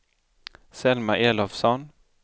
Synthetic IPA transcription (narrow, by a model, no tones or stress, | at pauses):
sɛlmaʔeːlɔfsɔn